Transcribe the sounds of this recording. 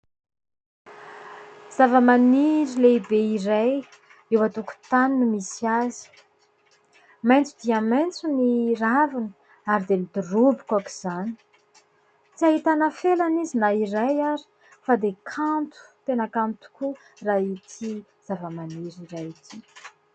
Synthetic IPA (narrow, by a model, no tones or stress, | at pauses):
z̥avəmaniɾileibeiraj | ewat̪uku̥t̪aninumisiazi̥ | majnt͡sud̪iamajnt͡suniravinə̥ | aɾid̪emid̪urubikaki̥z̥ani̥ | t͡siaɦit̪anafelanizinaiɾajaɾi̥ | fad̪ekʰant̪u̥t̪enakant̪u̥ku | rait̪ʰi | z̥avəmaniɾiɾajit̪ʰi